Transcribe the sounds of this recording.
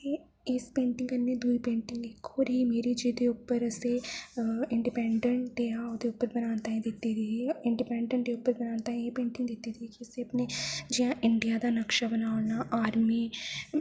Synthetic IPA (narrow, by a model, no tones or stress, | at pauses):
e | ɪspẽːɳʈɪ̃ŋɡɐnːed̪uːipẽːɳʈɪ̃ŋɡekoːɾɦimeːɾid͡ʒid̪eʊpːəɾse | ɪ̃ɳɖipɛ̃ːɳɖə̃ɳʈɖeːaod̪eʊpːəɾbɐnaːnt̪aɦẽd̪ɪt̪ːiɾiɪ̃ɳɖipɛ̃ːɳɖəɳʈeʊpːəɾbɐnaːnt̪aɦẽeːpẽːɳʈɪ̃ŋɡd̪ɪt̪ːit̪iikiʊseɐpned͡ʒɪjãʔɪ̃ɳɖijad̪anɐkʃabənaːlnaʔaːɾmi